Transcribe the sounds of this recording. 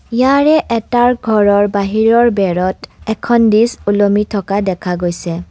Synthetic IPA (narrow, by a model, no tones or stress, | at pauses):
ijaɹɛʔɛtaɹɡʱɔɹɔɹbaɦiɹɔɹbɛɹɔtɛkʰɔndisulomitʰɔkadɛkʰaɡojsɛ